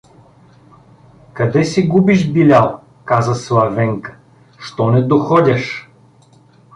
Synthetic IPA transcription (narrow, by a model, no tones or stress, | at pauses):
kɐd̪ɛsiɡubiʒbilʲalˠ | kazəslˠɐvɛŋkə̥ | ʃt̪ɔnɛd̪oxɔdʲɐʃ